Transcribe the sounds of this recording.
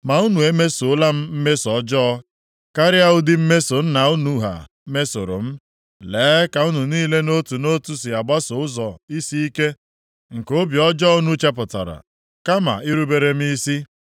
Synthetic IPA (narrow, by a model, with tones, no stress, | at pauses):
ma˨u˦nu˨e˦me˦sʊ˨˦la˦m̩˦m̩˦me˦sɔ˨˦d͡ʒɔ˦ | ka˦ɾɪ˦a˦ʊ˦dɪ˦m̩˦me˦so˨n̩˦na˨ʊ˦nu˨ɦa̰˨ | me˦so̰˨ɾʊ̰˨m̩˦ | leː˨˦ka˨u˦nu˨niː˦le˦no˦tu˨no˦tu˦si˨a˨ɡ͡ba˦sʊ˨ʊ˦zɔ˨i˦si˦i˦ke˦ | ŋ̩˨ko˦bjɔ˦d͡ʒɔ˦u˦nu˦t͡ʃa˦p̬ʊ˨ta̰˨ɾa̰˨ | ka˦ma̰˨ɪ˦ɾu˦be˦ɾe˦m̩˦i˦si˦